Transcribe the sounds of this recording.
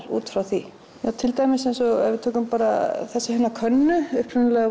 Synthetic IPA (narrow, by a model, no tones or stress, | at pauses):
ɾṵːt̪fɾawθi | jawt̪ʰɪlt̪ajmɪsejnsɔɣɛ̰ɾvɪt̪ʰoːkʏmpaːɾa̰θɛsːahɛnakʰœnːʏʏhpɾʏnlɛɣa